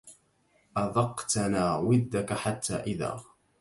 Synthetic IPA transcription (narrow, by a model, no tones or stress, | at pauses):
ʔɑðɑqt̪anaːwɪd̪ːakaħat̪ːa̰ːʔɪða̰ː